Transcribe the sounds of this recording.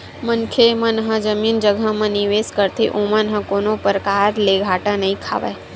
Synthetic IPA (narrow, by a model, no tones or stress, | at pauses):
mənkʰemə̃nɦəd͡ʒəmiːnd͡ʒəɡʱəmɐ̃niʋeːskəɾt̪ʰeʔomənɦə̃koːnopəɾəkaːɾleːɡʱaːʈanɐɦĩkʰa̰ːʋə̰